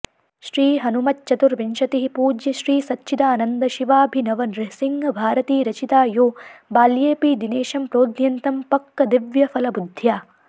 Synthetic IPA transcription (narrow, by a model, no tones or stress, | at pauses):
ʃɾiːɦɐnumɐt̪t͡ʃɐt̪uɾʋinʃɐt̪iɦipuːd͡ʒjɐʃɾiːsɐtːʃʰid̪aːnɐnd̪ɐʃiʋaːbʱinɐʋɐnɾɪsiŋɡbʱaːɾɐt̪iːɾɐt͡ʃit̪aːjoːbaːljeːpiːd̪ineːʃɐmpɾoːd̪njɐnt̪ɐmpɐkːɐd̪iʋjɐfɐlɐbud̪ʱjaː